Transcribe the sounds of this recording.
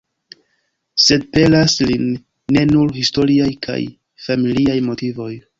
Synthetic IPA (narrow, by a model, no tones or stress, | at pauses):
se̞d̚pe̞laslinː | e̞nuɾhisto̞ɾiajkʰa̰j | familiajmo̞tivo̞j